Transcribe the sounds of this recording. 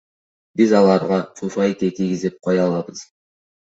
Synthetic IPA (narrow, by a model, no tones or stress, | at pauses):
bizɑlˠɑɾʁɑt̪ʰufɑjt̪et̪iɡʲizep̚qʰɑjɑlˠɑbɯz̥